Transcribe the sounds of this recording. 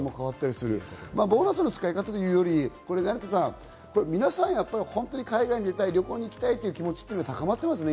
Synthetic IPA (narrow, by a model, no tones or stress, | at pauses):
mo̞kaβat̪ːaɾʲisɨɾɯ̟̰maːbo̞ːnasɨnːot͡sɨ̥kaikat̪at̪o̞jɯ̟ːjo̞ɾʲiko̞ɾe̞naɾit̪esã | ko̞ɾemʲinasãɰ̃japːaɾʲihõ̞nt̪o̞ɲ̟ikaiɡaiɲ̟id̪e̞t̪aiɾʲjo̞ko̞ːɲ̟iːkʲi̥t̪ait̪ːeiɯ̟kʲimo̞t͡ɕi̥t̪eːnat̪akamat̪ːe̞mas̬ɨne